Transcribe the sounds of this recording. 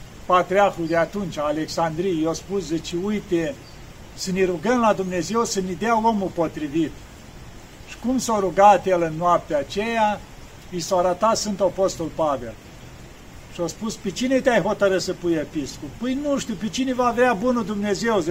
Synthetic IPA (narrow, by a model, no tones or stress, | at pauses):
pat̪ɾiaxud̪eat̪unt͡ʃʲaːle̞ksand̪ɾijjospuszit͡ʃeujt̪e | səneɾuɡəmlad̪umne̞ze̞wsənid̪eawomupo̞t̪ɾivit̪ | ʃi̥kumsoɾuɡat̪jelɨnːoap̚t̪eat͡ʃeja | isawaɾat̪at̪sɨnt̪opost̪olpave̞̰l | ʃiospuspet͡ʃinet̪eajɦo̞t̪əɾɨsəpujepiskupɨjnuʃt̪ʲiwpet͡ʃine̞vavabunud̪umne̞ze̞wz